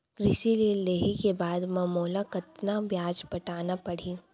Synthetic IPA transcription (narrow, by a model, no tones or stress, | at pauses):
ɡ̥ɾɪʃiliːlːeːɦikebaːd̪mɐmoːlakɐt̪nabjaːd͡ʒpɐʈaːnapɐɽ̤iː